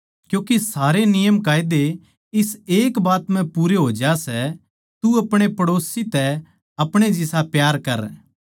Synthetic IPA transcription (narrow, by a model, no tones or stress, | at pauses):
kjõːkisaːɾenɪjəmkaːjd̪e | ɪseːkbaːt̪mɛ̃puːɾeɦoːd͡ʒasɛ | t̪uɐpɽ̃epɐɽoːsit̪ɛ | ɐpɽ̃ed͡ʒɪsapjaːɾkɐɾ